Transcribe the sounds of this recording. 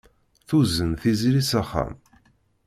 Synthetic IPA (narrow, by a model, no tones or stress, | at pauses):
θuzənθizɾisaχːæ̰m